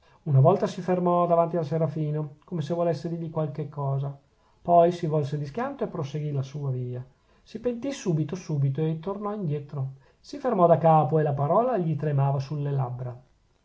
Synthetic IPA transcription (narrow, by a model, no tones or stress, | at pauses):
unavɔlt̪asifermɔd̪avant̪ialseɾafiːnokomesevolesːed̪iʎikwalkekːɔːza | pɔjsivɔlsed̪iskjant̪oepːɾoseɡilasuːaviːa | sipent̪isuːbit̪osuːbit̪oet̪ːornɔind̪jɛt̪ɾo | sifermɔd̪akaːpoelapaɾɔːlaeʎit̪ɾemaːvasulːelabɾa